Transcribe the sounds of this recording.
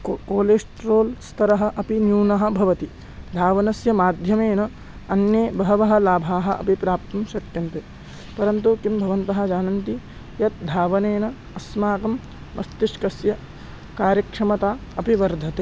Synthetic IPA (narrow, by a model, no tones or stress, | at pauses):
koːleːsʈɾoːlst̪ʰɐɾɐɦɐ̆ʔɐpinjuːnɐɦɐ̆bʱɐʋɐt̪i | d̪ʱaːʋɐnɐsjɐmaːd̪ʱjɐmeːnɐ | ɐnjeːbɐɦɐʋɐɦɐ̆laːbʱaːɦɐ̆ʔɐ̰pipɾaːp̚t̪ɐmʃɐt̪jɐnt̪eː | pɐɾɐnt̪ukimbʱɐʋɐnt̪ɐɦɐ̆d͡ʒaːnɐnt̪i | jɐt̪̚d̪ʱaːʋɐneːnɐ | ɐsmaːkɐmː | ɐ̰st̪iʃkɐsjɐ | kaːɾjɐkʂɐmɐt̪aːɐpiʋɐɾd̪ʱɐt̪eː